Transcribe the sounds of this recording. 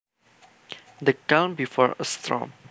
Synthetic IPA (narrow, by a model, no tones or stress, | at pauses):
d̪əkãʊ̃nbifɔɹə̰st̪ɹɔ̰̃m